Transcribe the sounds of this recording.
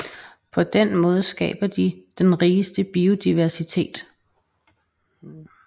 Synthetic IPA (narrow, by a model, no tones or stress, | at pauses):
pʰɒ̽d̥enmɔ̽ːð̞ˠəsɡ̥ɛ̰ːb̥ɐd̥id̥enʁiːsd̥əb̥io̝d̥iʋæɐsit͡sʰe̝̰ːd̥